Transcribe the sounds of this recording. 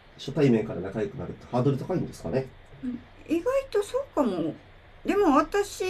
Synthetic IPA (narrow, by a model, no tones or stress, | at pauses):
ɕot̪aimẽ̞ŋkaɾanakajo̞kɯ̟naɾɯ̟t̪ːe̥haːd̪o̞ɾɯ̟t̪akaĩnd̪e̞sɨ̥ka̰nẽ̞ | iɡait̪o̞soːkamo | d̪e̞mo̞βat̪aɕi